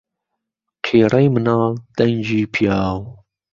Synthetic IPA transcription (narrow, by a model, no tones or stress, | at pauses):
qʰeːɾɐjmənɑːld̪̥ɐnd͡ʑiːpʰjaːw